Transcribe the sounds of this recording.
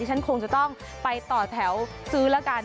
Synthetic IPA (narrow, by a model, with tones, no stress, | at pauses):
i˥˩t͡ɕʰa˦˥nkʰo˧ŋt͡ɕa˨˩t̪ɔ˥˩ŋ | pa˧jt̪ɔː˨˩t̪ʰɛ˩˦˥w | sɯː˦˥lɛ˦˥kaː˧